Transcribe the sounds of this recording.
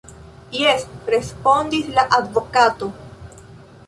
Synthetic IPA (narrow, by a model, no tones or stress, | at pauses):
jesɾe̞spo̞nd̪islaʔad̪vokat̪o̞